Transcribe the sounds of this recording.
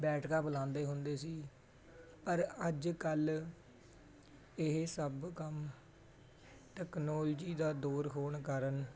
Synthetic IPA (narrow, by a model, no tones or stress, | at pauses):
bɛːʈʰkaːpəlãːnd̪eːɦʊnd̪eːsiː | pəɾəd͡ʒkəl | ɪɦsəbkəm | ʈɛːknoːld͡ʒiːd̪aːd̪oːɾɦoːɳkəɾən